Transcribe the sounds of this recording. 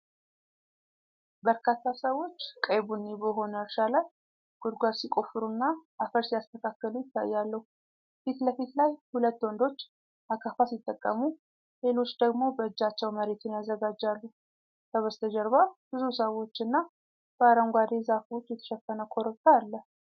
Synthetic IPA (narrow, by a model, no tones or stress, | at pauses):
bəɾkʰat̪ʰːasəwːo̞t͡ʃːkʼəjβunːebəɦo̞nəʃalə | ɡ̥ʊd̪ɡʷasikʼo̞fɨɾunːaʔafəɾsijast̪ʰəkʰakːəlujɪt̪ʰːa̰jːalːəhu | fit̪ləfit̪lajhulət̪ːwɔnd̪o̞t͡ʃː | ʔakʰafasit̪ʼːəkʼːə̰mu | le̞lo̞t͡ʃːd̪əɡmo̞bəɨd͡ʒːat͡ʃːɛwməɾe̞t̪ʰɨnjazːəɡad͡ʒːalːu | kʰəβəst̪ʰəd͡ʒəɾβab̥ɨzusəwo̞t͡ʃːɨnːa | b̥əaɾəŋɡʷad̪e̞zafo̞t͡ʃːjɛt̪ʰə̥ʃɛkːənəkʰo̞ɾək̪ːaːlːəh